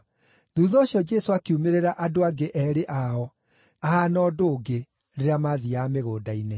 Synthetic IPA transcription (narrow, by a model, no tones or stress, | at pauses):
ðuːðɔɕjɔd͡ʒɛsoakiumeɾeɾaʔadoaɡeʔɛɾeʔaɔ | aɦanɔːdoːɡe | ɾeɾeamaðiameɣoːdaine